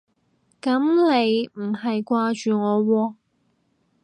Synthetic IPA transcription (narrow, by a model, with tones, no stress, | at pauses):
kɐ˨˥mle˨˧jm̩˨˩hɐ˨jkʷaː˧t͡ʃyː˨ŋɔː˨˧wɔː˧